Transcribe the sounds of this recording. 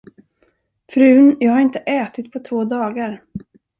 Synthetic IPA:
fɾʉ̟ːnjɑːɡhaɾɪnt̪əʔɛːt̪ɪt̪̚pʰɔt̪ʰvoːd̪ɑːɡaɾ

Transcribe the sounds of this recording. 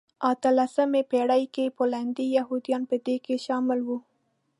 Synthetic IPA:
at̪əlasəmepeɽajkepəland̪ijahud̪ijɑnpəd̪ekeʃɑmɪlwu

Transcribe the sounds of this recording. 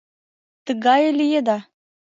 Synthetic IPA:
t̪əɣɑjlijed̪ɑ

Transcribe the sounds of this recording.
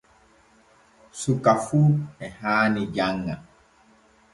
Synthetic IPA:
sukafuɛhaːniɟaŋːa

